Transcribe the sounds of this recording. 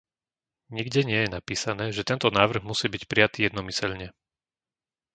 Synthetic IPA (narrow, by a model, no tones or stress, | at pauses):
ɲiɡɟɛɲɪɛjɛnapiːsanɛːʒɛt̪ɛnt̪ɔnaːʋr̩ɣmusiːbicpɾijat̪iːjɛd̪nɔmisɛʎɲɛ